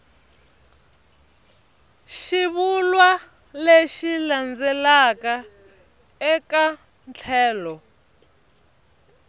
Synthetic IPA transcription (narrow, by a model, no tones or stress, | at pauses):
ʃiβulwa | leʃiland͡zɛlaka | ɛka | nt͡ɬʰɛːlɔ